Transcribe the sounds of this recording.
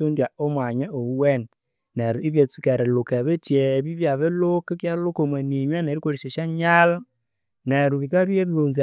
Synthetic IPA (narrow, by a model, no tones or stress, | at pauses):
ondjaomwaɲeouwen | neɾiβet͡sukeɾelokeβetjeβiβjaβelokekjaɾlokomweniɲweneɾikoɾiʃeʃaɲal | neɾuβikaɾweɾlonza